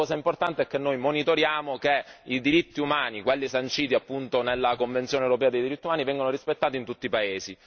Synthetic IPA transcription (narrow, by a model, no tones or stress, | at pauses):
ɔːzaimport̪ant̪eɛkːenːojmonit̪oɾjaːmokeid̪iɾit̪ːiumaːnikwelːisant͡ʃiːt̪iapːunt̪onelːakoɱvent̪sjoːnewɾopɛːad̪ejd̪iɾit̪ːiumaːnivɛŋɡanoɾispet̪ːaːt̪int̪ut̪ːipaeːzi